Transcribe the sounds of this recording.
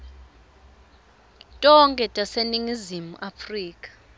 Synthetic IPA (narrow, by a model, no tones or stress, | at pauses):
tʼɔŋkʼɛtʼaseniŋizimuʔafriːkʼḁ